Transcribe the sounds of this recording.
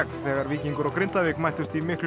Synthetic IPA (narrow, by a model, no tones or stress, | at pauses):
knθɛːɣaɾviːciŋkʏɾɔkɾɪnt̪avɪkmajht̪ʏst̪imɪhkl